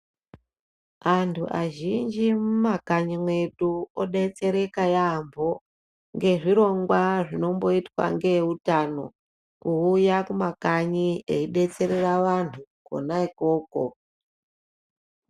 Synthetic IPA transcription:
antʰṵʔa̰ʒind͡ʒimumakaɲimwe̞tuoɗe̞t͡se̞ɾe̞kajambʱo̞ | ŋɡe̞ʐiɾo̞ŋɡwaʐino̞mbo̞itwa̰ŋɡe̞utano̞ | kuujakumakaɲieiɓe̞t͡se̞ɾe̞raʋantʰuko̰naikoːko̰

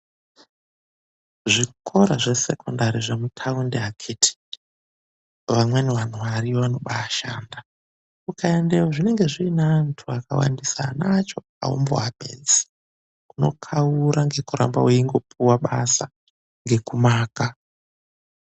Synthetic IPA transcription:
ʐikʰo̞ɾaʐe̞se̞kondaɾiʐemutʰaundeakʰetʰi̥ | ʋamweneʋan̤uʋaɾiʋano̞ɓaːʃa̰ːnda | kukaende̞waʐine̞ŋɡe̞ʐiːnaːntʰuaka̰wa̰ndisanat͡ʃo̞ | a̰o̰mbo̰abʱḛnd͡zi̥ | kuno̞̰kʰauɾaŋɡe̞kuɾa̰mbaweiŋɡo̞pʰuwaɓasa | ŋɡe̞kumaːka

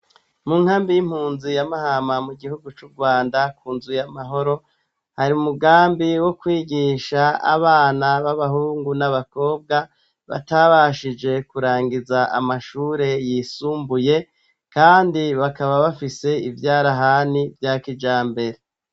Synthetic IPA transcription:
muŋ̥haːmbijim̥huːnzijamahamamuɡihuɡut͡ʃuɾɡwaːndakuːnzujamaɦo̞ɾo̞ | haɾiumuɡaːmbiwo̞kwiːɡiʃaa̰βaːnaβaβahuːŋɡunaβako̞ːb̚ɡa | βa̰taβaʃid͡ʒe̞kuɾaːŋɡizaa̰maʃuːɾe̞jisuːmbuje̞ | kaːndiβakaβaβafise̞ivjaːɾaɦanivjakid͡ʒaːmbe̞ɾe

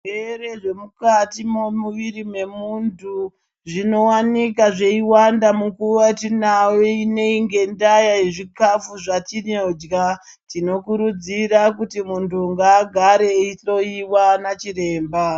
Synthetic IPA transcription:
ere̞ʐe̞mukatimomuʋiɾime̞muntu | ʐino̞wanikaʐe̞iwandamukurwatinaweine̞iŋɡe̞ndajaiʐikafuʐatinod͡ʒɡa | tino̞kuɾud͡zirak̬utimuntʰuŋɡaːɡʱaɾeito̞iwanat͡ʃiɾe̞ːmba

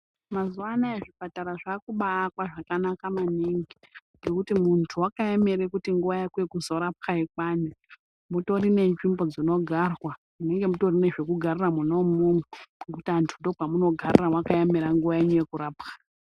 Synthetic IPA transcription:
mazuanaeʐipataɾaʐakuɓaːkwaʐakanakamaniŋɡi | ŋɡe̞kutimuntʰuwakajemeɾekutiŋɡuʋajakwekuzo̞ɾapxaikwani | muto̞ɾine̞nʐimbo̞d͡zino̞ɡʱarwa | mune̞ŋɡe̞muto̞rineʐekuɡʱariramunomumeɡek̬utiantʰundo̞pamuno̞ɡʱariramwakajameɾaŋɡuʋajeɲujekuɾaːpxḁ

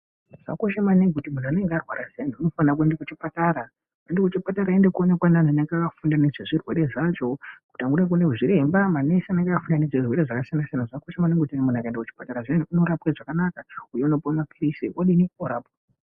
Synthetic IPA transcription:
ʐ̥a̰koʃemaneŋɡutimun̤ane̞ŋɡearwa̰ɾasian̤iuno̞fankuendekut͡ʃipataɾa | endekut͡ʃipataɾaendekuonekwanananeŋɡakafundaneʐeʐirwe̞ɾe̞ʐat͡ʃo̞ku̥taŋɡuɾak̬une̞uʐiɾe̞mbamanesaneŋɡakafundaneʐirwe̞ɾeʐakasijanasijanaʐakoʃamaneŋɡotinimunakaendekut͡ʃi̥pataɾaʐeniuno̞ɾapkeʐakanakaujeunopomapʰirisḭʔoɗinioɾaːpka

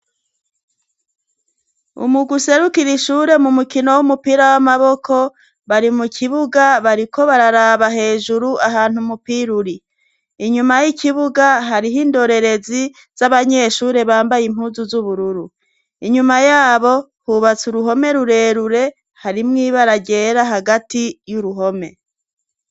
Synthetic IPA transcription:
ṵmuɡuse̞ɾukiɾiʃuːɾe̞mumukino̞wumupiɾawamaβo̞kʰo̞ | βaɾimukʰiβuɡaβaɾikʰo̞βaɾaɾaβaɦe̞ːʒuɾuʔaɦaːn̥humupiɾuɾiː | ɲumajikʰiβuɡaɦaɾiɦiːndo̞ɾe̞ɾe̞zi | z̥aβaɲe̞ʃuːɾe̞βaːmbajim̥huːzuzuβuɾuɾu | iɲumajaːβo̞ | huβat͡suɾuɦo̞me̞ɾuɾe̞ːɾuɾe̞ | haɾimŋiːβaɾaɟe̞ːɾaɦaɡatijuɾuɦo̞me̞

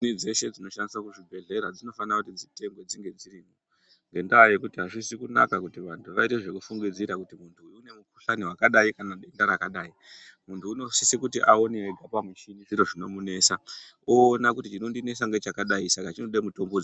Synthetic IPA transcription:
nid͡ze̞ʃe̞d͡zino̞ʃandiswakuʐibʱe̞ɮe̞ɾad͡zino̞fanakutid͡zite̞ŋɡwe̞d͡ziŋɡe̞d͡ziriːmo | ŋɡe̞ndaje̞kutiɦaʐisikuna̰kakutiʋantʰuʋaite̞ʐe̞kufuŋɡid͡ziɾakutimuntʰuːjune̞muku̥ɬaniwakaɗaikanaɗe̞ndaɾakaɗaːimuntʰuːno̞sisikutiʔao̞neeɡʱapamuʃinid͡ziɾo̞ʐino̞mune̞sa | oːnakutit͡ʃino̞ndine̞saŋɡe̞t͡ʃakaɗaisakat͡ʃino̞ɗaimuto̞mbod͡zi

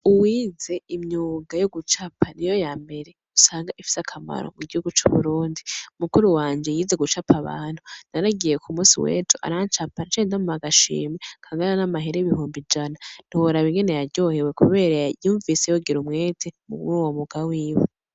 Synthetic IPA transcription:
uwiːze̞imɲuːɡajo̞ɡut͡ʃapʰanijo̞jaːmbe̞ɾe̞ | usaːŋɡaʔifi̥sakʰama̰ɾo̰muɡihuɡut͡ʃuβuɾuːndiumukuɾuwaːnd͡ʒe̞jiːze̞ɡut͡ʃapʰaβa̰ːn̥hunaɾaɡije̞kʰumuːsḭwḛːtʰuʔa̰ɾant͡ʃapant͡ʃendamumaɡaʃḭːmekʰaːŋɡananamaɦeɾeiβihuːmbid͡ʒanan̥ihoɾaβiŋɡene̞jaɾɟo̞ːhewe̞kuβe̞ːɾajuːɱvise̞joɡiɾumŋe̞ːtʰemuuwomuɡawiːwu

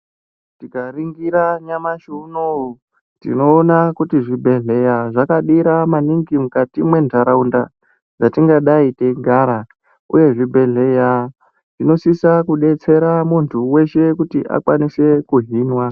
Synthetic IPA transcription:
tikariŋɡiɾaɲamaʃuno | tḭno̞ːnakutiʐibʱe̞ɮe̞jaʐakaɗiɾamaniŋɡimukatimwe̞ndʱaɾaunda | d͡zatiŋɡaɗaite̞ɡʱaɾa | ṵje̞ʐibʱe̞ɮe̞ja | ʐino̞sisakuɗe̞t͡se̞ɾamuntʰuwe̞ʃe̞kutiʔa̰kwanise̞kuɦiːnwa

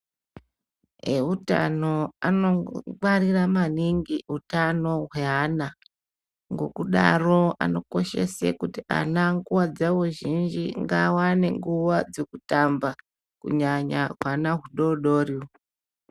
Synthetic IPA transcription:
ɦeuta̰no̞ano̞mariramaniŋɡiɦutano̞ɦwe̞ɦana | ŋɡo̞kuɗaro̞a̰no̞ko̞ʃe̞̰sḛkutiʔa̰naŋɡuwad͡zaʋuʒind͡ʒiŋɡawaneŋɡuwad͡ze̞kutamba | kṵɲaɲaɦwanaɦuɗo̞ɗoːriw

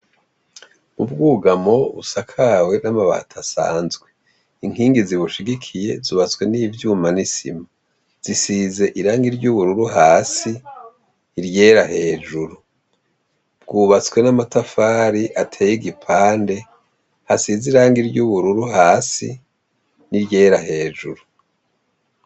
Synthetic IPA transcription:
ubɡuːɡamo̞βusakʰawe̞namaβa̰ːtʰasa̰ːnzɡwe̞ | iŋ̥hiːŋɡiziβuʃiɡikʰije̞zuβat͡swe̞niːvjuːmanisḭma | z̥isize̞ʔiɾaːŋɡiɾɟuβuɾuɾuɦaːsiː | ɾje̞ːɾahe̞ːd͡ʒuɾu | bɡuːβat͡swe̞namatafaːɾiʔatʰeːjiɡipʰaːnde̞ | hasiziɾaːŋɡiɾɟuβuɾuɾuɦaːsi | niɾje̞ːɾahe̞ːd͡ʒuɾu

